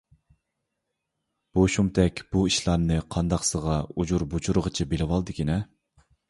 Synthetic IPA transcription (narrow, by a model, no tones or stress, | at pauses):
b̥oʃumt̪ʰɛkʲb̥uiʃlˠɑɾnɨqʰɑnd̪ɑqsəʁɑud͡ʒuɾbut͡ʃʰuɾəʁət͡ʃʰɛbelɪwɑlˠd̪ɨkʲʰinɛ